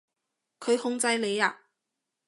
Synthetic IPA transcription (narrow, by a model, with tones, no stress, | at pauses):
kʰɵ˨˧ɥhʊ˥ŋt͡sɐ˧jle˨˧jaː˧